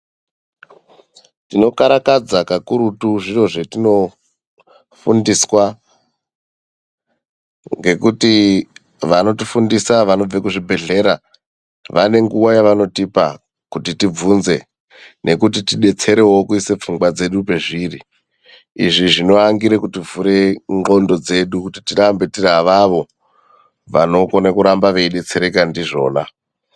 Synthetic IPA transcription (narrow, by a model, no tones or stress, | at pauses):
tino̞kaɾakad͡zakakuɾutuʐiro̞ʐetino̞ | fundiswa | ŋɡe̞kuti | ʋano̞tifundisaʋano̞b͡vekuʐibʱe̞ɮe̞ɾa | ʋane̞ŋɡuwajaʋano̞tipa̰ | kutitib͡vunze̞ | ne̞kutitiɗe̞t͡se̞ɾe̞wo̞kuisep͡fuŋɡwad͡ze̞ɗupe̞ʐiri | iʐiʐino̞aŋɡiɾekutivuɾe̞ŋɡo̞ndo̞d͡ze̞ɗukuti̥tirambe̞tiraʋaʋo̞ | ʋano̞konakuɾambaʋe̞iɗe̞t͡se̞ɾe̞kandiʐo̞̰ːna